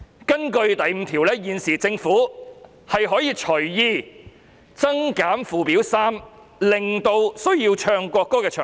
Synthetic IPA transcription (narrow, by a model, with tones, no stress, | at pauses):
kɐ˥nkɵ˧ɥt̪ɐ˨jm̩˨˧˥t̪ʰiː˨˩wlɛː˥jiː˨nsiː˨˩t͡sɪ˧ŋfuː˨˥ | hɐ˨jɦɔː˨˥jiː˧t͡ʃʰɵ˨˩ɥjiː˧ | t͡sɐ˥ŋkaː˨˥nfuː˨˩piː˨˥wsaː˥m | lɪ˨˩ŋt̪o˧wsɵ˥ɥjiː˧wt͡ʃʰœː˧ŋkʷɔː˧kːɔː˥kɛː˧t͡ʃʰœ̰ː˨˩